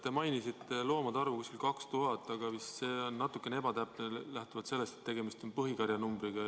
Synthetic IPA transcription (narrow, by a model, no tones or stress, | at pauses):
t̪ːemɑjnisit̪ːe̞lo̞ːmɑd̪ɑrvukuskilkɑkst̪uɦɑt̪ːˑɑɡ̥ɑvisseːonːɑt̪ːˑukːˑenee̞bɑt̪æpnelæht̪uvɑt̪se̞lːe̞st̪et̪ːe̞ɡ̥e̞mist̪o̞npɤɦikɑɾjɑnumbɾiɡ̥ɑ